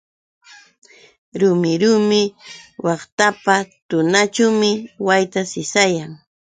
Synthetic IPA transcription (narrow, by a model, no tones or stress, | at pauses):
ɾʊmɪɾʊːmɪwɑχt̪apat̪ʊnat͡ʃawmɪwajt̪asɪsajaŋ